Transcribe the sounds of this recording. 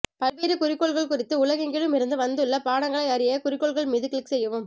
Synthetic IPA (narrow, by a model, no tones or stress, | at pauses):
pɐlʋeːɾɯkʊrɪkːɔɭɣɐɭkʊrɪt̪ːɯʊlɐɣɪŋɡɪɻɯmɪɾɯnd̪ɯʋɐnd̪ɯɭːɐpaːɽɐŋɡɐɭɐɪɐɾɪjɐkʊɾɪkːɔɭɣɐɭmɪðɯkɭɪksɛjːɐʋɯm